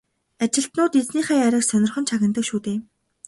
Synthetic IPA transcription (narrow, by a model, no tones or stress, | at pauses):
at͡ɕɪ̆ɬt̪nʊːt̪et͡sniːχæːjaɾʲɪ̆ksœnʲɪ̆rχə̆nt͡ɕʰaɣʲə̆nt̪ə̆kʃuːt̪eː